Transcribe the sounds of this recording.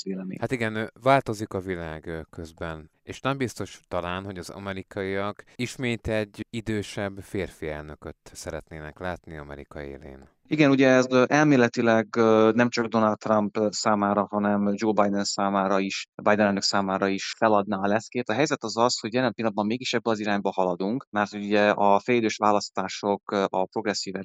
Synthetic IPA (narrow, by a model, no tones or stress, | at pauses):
eːlɛmḛhat̪iɡɛnvaːlt̪o̞zikɒvilaːɡkøzbɛneːʃnɛmbist̪o̞ʃt̪ɒlaːnɦo̞ɟɒzɒ̰mɛɾikʰɒiɒɡiʃmeːt̪ɛɟːid̪øːʃɛbːfeːrfiɛlnøkøt̪sɛɾɛt̪neːnɛklaːt̪niɒmɛ̰ɾikɒḛːlḛːn | iɡɛnuɟɛɛzʔɛlmeːlɛt̪ilɛɡnɛmt͡ʃɒɡd̪o̞nɒlt̪ːrɒmpsaːmaːɾɒhɒnɛmd͡ʒoːbɒjd̪ɛnsaːmaːɾɒiʃbajd̪ɛnɛlnø̞ksaːmaːɾɒiʃfɛlɒd̪naːɒlɛskeːt̪ɒɦɛjzɛt̪ɒzɒsho̞ɟjɛlɛmpilːɒd̪bɒmːeːɡiʃɛbːɛɒziɾaːɲbɒhɒlɒd̪uŋkmɛrt̪hoɟuɟɛɒfɛleːd̪øːʃʋaːlɒst̪aːʃo̞kʔɒpɾo̞ɡrɛsːiːvɛ